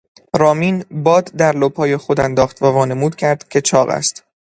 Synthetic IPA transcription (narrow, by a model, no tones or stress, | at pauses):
ɾɒːmiːnbɒːd̪d̪æɾlob̥hɒːjexod̪ænd̪ɒːχt̪vævɒːne̞muːd̪̥̚cʲʰæɾd̪̥cʲʰe̞t͡ʃʰɒːɣæ̰st̪